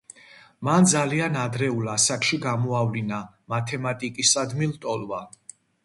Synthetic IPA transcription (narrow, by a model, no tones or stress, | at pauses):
mand̪zalianad̪ɾɛulasakʃiɡamɔavlina | mat̪ʰɛmat̪ʼikʼisad̪milt̪ʼɔlva